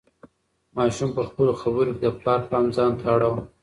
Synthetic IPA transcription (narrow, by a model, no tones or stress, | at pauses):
mɑʃumpəxpəloxabəɾoked̪əplɑɾpɑmzɑnt̪ʰaɽaw